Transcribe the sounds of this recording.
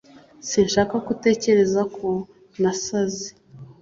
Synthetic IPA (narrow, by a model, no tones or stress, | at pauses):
sinʃaːkakute̞ːce̞ɾe̞zakʰo | nasazi